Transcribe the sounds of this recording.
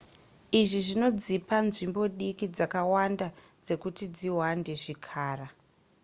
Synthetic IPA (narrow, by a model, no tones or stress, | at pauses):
iʐiʐino̞d͡zipanʐimbo̞ɗikid͡zakawanda | d͡ze̞kutid͡ziwande̞ʐikʰaːra